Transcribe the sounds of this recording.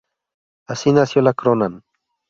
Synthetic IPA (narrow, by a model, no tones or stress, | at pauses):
asinasjolakɾonan